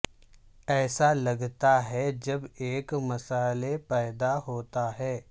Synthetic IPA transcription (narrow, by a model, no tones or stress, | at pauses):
ɛːsalɐɡt̪aɦɛd͡ʒɐbeːkmɐsaːlepɛːd̪aɦoːt̪aɦɛː